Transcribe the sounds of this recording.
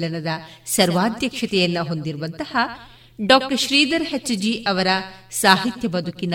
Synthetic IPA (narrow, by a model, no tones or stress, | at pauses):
lɐnɐd̪ɐsɐɾʋaːd̪jɐkʂɐt̪ɛjɐnːɐɦo̞nd̪iɾuʋɐnt̪ɐhɐ | ɖɔːk̚ʈɐɾʃɾiːd̪ɐɾhɐt͡ʃːɐd͡ʒiʔɐʋɐɾɐsaːɦit̪jɐbɐd̪ʱukinɐ